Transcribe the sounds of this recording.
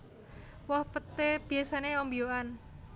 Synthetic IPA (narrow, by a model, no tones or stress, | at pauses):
wɔhpət̪eb̥i̤asaneɔmbioan